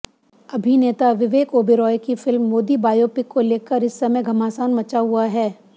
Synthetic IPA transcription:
ɐbʱineːt̪aʋɪʋeːkoːbiɾɔːjkifɪlmːoːd̪ibaːjoːpɪkːoleːkəɾɪsːɐməɡʱɐmaːsaːnmɐt͡ʃaɦʊaɦɛː

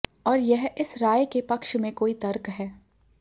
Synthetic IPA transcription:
ɔːɾjɛɦɪsɾaːjkepɐkʃmẽkoːit̪ɐɾkɦɛː

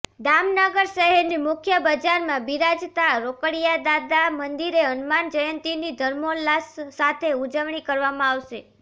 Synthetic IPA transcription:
d̪amnəɡəɾʃəɦɛɾnimʊkʰjəbəd͡ʒaɾmãbiɾad͡ʒt̪aɭaɾokəɽijad̪ad̪amənd̪iɾeənmand͡ʒəjənt̪inid̪ʱəɾmollasːat̪ʰeud͡ʒəʋɳ̃ikəɾʋamãaʋʃe

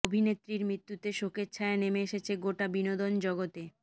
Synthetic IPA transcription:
obʱinet̪ːɾiɾmɾit̪ːut̪eʃoketːt͡ɕʰɕʰaenemeeʃet͡ɕʰeɡoʈabinod̪ond͡ʑɔɡot̪e

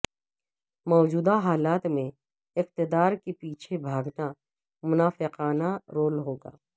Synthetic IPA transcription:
mɔːd͡ʒuːd̪aɦaːlaːt̪mẽ | ɪq̚t̪ɪd̪aːɾkepiːt͡ʃʰebʱaːɡna | mʊnaːfɪqaːnaɾoːlɦoːɡa̰ː

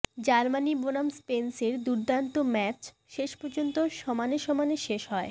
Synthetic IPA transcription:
d͡ʑaɾmanibonamspenseɾd̪uɾd̪ant̪omɛt͡ɕ | ʃeʃpoɾd͡ʑont̪oʃɔmaneʃɔmaneʃeʃɦɔe

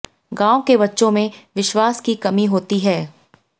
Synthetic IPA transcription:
ɡãːõkebɐtːʃõmẽʋɪʃwaːskikɐmiɦoːt̪iɦɛː

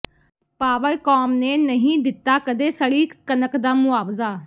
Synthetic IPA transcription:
paːʋəlkɔːmneːnəɦĩːd̪ɪt̪ːaːkəd̪eːsəɽiːkənəkd̪aːmʊaːbzaː

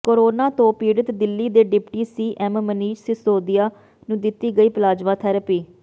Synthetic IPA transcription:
koɾoːnaːt̪õːpiːɽət̪d̪ɪlːiːd̪eːɖɪpʈiːsiːʔɛmməniːʃsɪsoːd̪ijaː | nũːd̪ɪt̪iːɡəiːpəlaːd͡ʒʋãːt̪ʰɛːɾəpiː

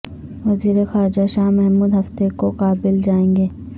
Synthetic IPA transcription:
ʋɐziːɾexaːɾɪd͡ʒaʃaːɦmɛɦmuːd̪ɦɐft̪ekoqaːbɪld͡ʒaːẽːŋɡeː

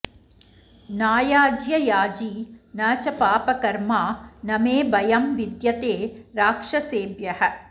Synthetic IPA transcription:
naːjaːd͡ʒjɐjaːd͡ʒiːnɐːt͡ʃɐpaːpɐkɐɾmaːnɐmeːbɐjɐmʋid̪jɐt̪eːɾaːkʂɐseːbjɐhɐ̆

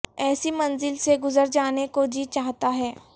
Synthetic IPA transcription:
ɛːsimɐ̃nzɪlseɡʊzəɾd͡ʒaːnekod͡ʒiːt͡ʃaːɦt̪aɦɛː

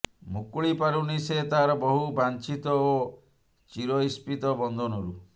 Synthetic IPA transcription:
mukuɭipaɾuniset̪aɾɔbɔɦubant͡ʃit̪ɔo | t͡ʃiɾɔispit̪ɔbɔnd̪ʱɔnɔɾu

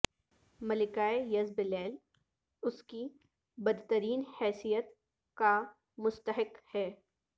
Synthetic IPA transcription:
mɐlɪkaːejɐzbɪlɛːl | ʊski | bɐd̪t̪əɾiːnhɛːsijət̪ | ka | mʊst̪əɦɪkhɛː

